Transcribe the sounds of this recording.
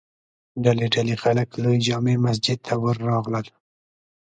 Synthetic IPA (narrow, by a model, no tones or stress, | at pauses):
ɖaleɖalexaləklujd͡ʒɑmemas̬d͡ʒɪd̪̚t̪ʰawəɾːɑɣləl